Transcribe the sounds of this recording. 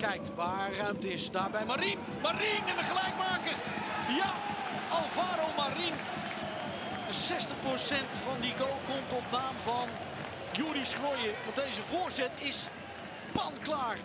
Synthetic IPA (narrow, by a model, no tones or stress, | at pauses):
kɛjk̚tbarœɥmtɪsdaːbɛjmaɾin | marinənəχəlɛjk̚maːkə | ja | ɑlˠvaːɾomarin | əsɛstəχprosɛntfɑndiɡowlˠkɔmtɔtnaːmvɑn | juːɾisχrojəʋɑntdejzəvoːɹsɛtɪs | pɑnklaːr